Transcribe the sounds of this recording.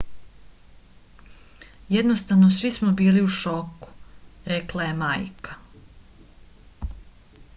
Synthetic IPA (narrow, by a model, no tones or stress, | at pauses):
jed̪nost̪aʋnosʋismobiːliuʃoku̥ɾeklˠaje̞majkḁ